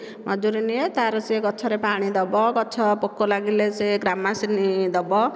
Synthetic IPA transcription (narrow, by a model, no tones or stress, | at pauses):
mɔd͡ʒuɾiniet̪aɾɔt͡ʃeɡɔt͡ʃʰɔɾepaɽ̃id̪ɔbɔɡɔt͡ʃʰɔpokːolaɡilet͡seɡɾamasinid̪ɔbɔ